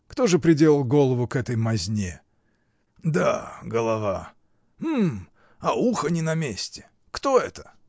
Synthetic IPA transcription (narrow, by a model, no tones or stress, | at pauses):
kt̪o̞ʐɨpɾʲɪdʲelˠəlˠɡo̞lˠəvʊkɛt̪əjmɐzʲnʲe | d̪aɡəlˠɐva | m̩ | ɐuxənʲɪnɐmʲesʲtʲɪ̥ | kt̪o̞ɛt̪ə̥